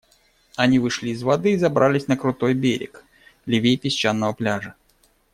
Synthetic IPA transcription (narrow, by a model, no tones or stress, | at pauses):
ɐnʲivɨʂlʲiːzvɐd̪ɨːzɐbɾʔalʲɪsʲnəkɾʊt̪o̞jbʲeɾʲɪ̰k | lʲɪvʲejpʲɪsʲt͡ɕanːəvəplʲaʐə